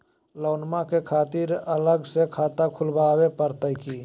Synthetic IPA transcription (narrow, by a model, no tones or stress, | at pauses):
loːnmakekʰaːt̪iɾələɡsekʰaːt̪akʰʊlbaːwepəɾt̪əiki